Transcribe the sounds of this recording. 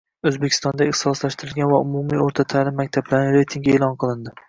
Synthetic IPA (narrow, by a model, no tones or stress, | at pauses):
ɵzbekʲʰɪst̪ɒnd̪aɪχt̪sɒslaʃt̪ɪɾɪlɡʲanvaʊmumioɾt̪ʰat̪ʰaːlɪmːakʲt̪ʰablaɾnɪɾe̞jt̪ʰiŋɡʲeːlˠɒnqʰɨlˠɪnd̪ɪ